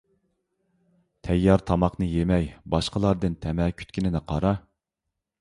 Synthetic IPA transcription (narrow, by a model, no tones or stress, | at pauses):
t̪ʰɛjːɑɾt̪ʰɑmɑqnɨjemɛjbɑʃqəlˠɑɾd̪ɨnt̪ʰɛmɛːkʲʰy̥t̪kʲinɪnɪqʰɑɾɑ